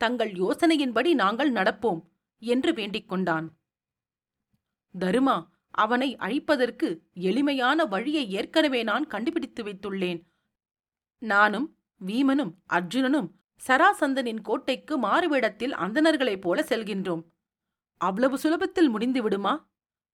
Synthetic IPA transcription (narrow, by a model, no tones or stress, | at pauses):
t̪ɐŋɡɐɭjoːsɐnɐjɪnpɐɽinaːŋɡɐɭnɐɽɐpːoːm | ɛndrɯʋeːɳɖɪkːɔɳɖaːn | d̪ɐɾɯmaː | ʔɐʋɐnɐɪʔɐ̰ɻɪpːɐðɐrkɯɛɭɪmɐjaːnɐʋɐɻɪjɐɪeːrkɐnɯʋeːnaːnkɐɳɖɯpɪɽɪt̪ːɯʋɐɪt̪ːɯɭːeːn | naːnɯm | ʋiːmɐnɯmʔɐɾd͡ʒɯnɐnɯm | sɐɾaːsɐnd̪ɐnɪnkoːʈːɐɪkːɯmaːɾɯʋɛːɽɐt̪ːɪlʔɐ̰nd̪ɐnɐɾɣɐɭɐɪpːoːlɐsɛlɣɪndroːm | ʔɐʋɐɭɐʋɯsʊlɐbɐt̪ːɪlmʊɽɪnd̪ɯʋɪɽɯmaː